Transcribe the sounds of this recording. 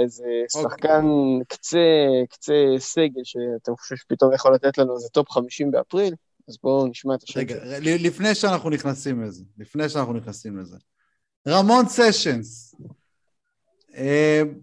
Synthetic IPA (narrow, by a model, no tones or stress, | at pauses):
ezesoaχkankt͡sekt͡seseɡe̞lʃeat̪emχo̥ʃevʃe̥pit̪o̞mjeχolat̪et̪lanuazet̪o̞pχamiʃimbea̰pʁil | azbo̞niʃmaet̪ḁʃʁeɡaʁelilifne̞jʃeanaχnuniχnasimlezelifnejʃeanaχnuniχnasimleze | ʁamo̞nseʃens | em